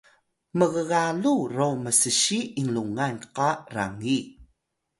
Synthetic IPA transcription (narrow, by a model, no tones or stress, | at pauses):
məɣəɣalurowməsəɕiiŋluŋanqara̰ŋi